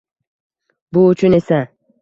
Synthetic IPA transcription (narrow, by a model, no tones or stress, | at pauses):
bʊʊt͡ʃʰʊnesa